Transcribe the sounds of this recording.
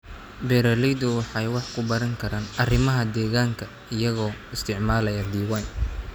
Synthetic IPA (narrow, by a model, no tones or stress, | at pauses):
bɛɾɐlɛjd̪ʊwɑħɑjwɑħkʰʊbɐɾɐŋkʰɐɾaːnɐrɪmɐɦɐd̪ɛːɣaːŋkʰɐ | ɪjɐɣɔːɪst̪ʰɪʕmaːlɐjɐd̪iːwɑjn